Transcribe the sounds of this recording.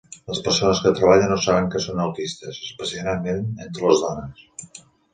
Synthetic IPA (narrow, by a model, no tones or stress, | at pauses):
ləspərsonəskət̪ɾəβ̞aʎənosaβəŋkəsonəwt̪ist̪əzəspəsianamenent̪ɾələzðɔnəs